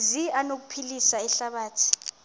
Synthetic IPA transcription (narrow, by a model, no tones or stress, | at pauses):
zianok̬upʰilisaɛɬaɓaːtʰi̥